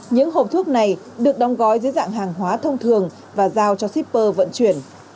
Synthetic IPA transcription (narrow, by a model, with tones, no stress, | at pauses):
ɲɨ̰˧˥ŋɦo˨˩p̚t̪ʰu˦˥ək̚na˨˩j | ɗɨ˨˩ək̚ɗɔ˨˦wŋ͡mɣɔ˨˦jzɨ̰˧˦əza̰ː˧˨ŋɦaː˨˩ŋɦwaː˨˦t̪ʰə˧wŋ͡mt̪ʰɨ˨˩əŋ | vaː˨˩zaː˧wt͡ɕɔ˧si˦˥p̚pəː˧və̰˧˨nt͡ɕwi˨˩ən